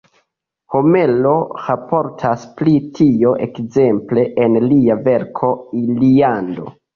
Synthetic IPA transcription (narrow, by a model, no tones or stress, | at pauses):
ho̞me̞lo̞hapo̞ɾtʰasplitʰio̞ʔe̞kzemple̞ʔenliave̞ɾkʰo̞iliando̞̰